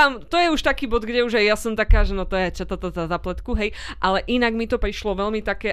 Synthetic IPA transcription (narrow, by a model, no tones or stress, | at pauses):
amt̪ɔjɛuʃt̪akiːbɔd̪ɡɟɛuʒajjasɔmt̪akaːʒɛnɔt̪ɔjɛt͡ʃat̪at̪azazaplɛt̪kuɦɛjʔalɛʔinaɡmit̪ɔpɾiʃlɔʋɛlmit̪akɛː